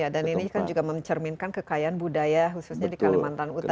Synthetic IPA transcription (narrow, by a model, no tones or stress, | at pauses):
adaninikand͡ʒuɡaməɲt͡ʃərminkankəkajaanbudajaɦususɲadikalimant̪anut̪